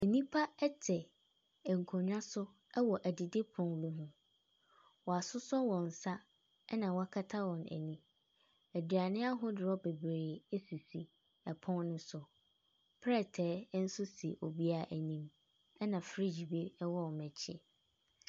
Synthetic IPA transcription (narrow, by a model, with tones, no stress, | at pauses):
æ˨nĩ˦pʰa˦ɛ˦tʰɛ˨ | ɛ˨ŋ̩˨kʰɔ̃˨ɲᶣ˦ã˦sʊ˦ | ɛ˦wɔ˨ʔæ˨dɪ˨dɪ˦pʰɔ̃˨nlu˨ɦũ˦˨ | wɔ˨a˨sʊ˦sɔ˦wɔ̃˨n̩˨sa˦ | ɛ˦nã˨wa˦kʰa˦tʰa˦wɔ̃˨næ̰˨nĩ˦ | æ˨dɥa˨nɪ̃˦a˦ɦʊ˦dɪ˨ɾɔ˦be˨bɾeː˨e˦si˨si˨ | ɛ˨pʰɔ̃˦nnʊ̃˦sʊ˨ | pʰɾɛ˦˨tʰɛː˨˦n̩˦sʊ˦si˨ʔo̰˨bi˦a˦˨ʔæ˨nĩ˦m | ɛ˦nã˨fɾi˦d͡ʑi˨be˦ɛ˦wɔ˦wɔ˨mɛ̃˨t͡ɕʰɪ˦